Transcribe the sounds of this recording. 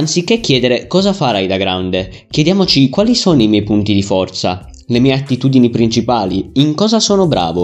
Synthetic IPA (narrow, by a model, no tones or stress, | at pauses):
ansikːekːjɛːd̪eɾekɔːzafaɾajd̪aɡɾawnd̪e | kjɛd̪jaːmot͡ʃikwaːlisɔːnoimjɛjpunt̪id̪ifɔrt̪sa̰ | lemiːeat̪ːit̪uːd̪inipɾint͡ʃipaːliiŋkɔːzasɔːnobɾa̰ːvo